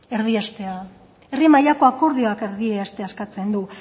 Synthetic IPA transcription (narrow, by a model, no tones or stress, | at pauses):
e̞ɾðiast̪e̞a | erimajako̞ako̞ɾð̞io̞ake̞ɾðieast̪e̞askat͡se̞nd̪u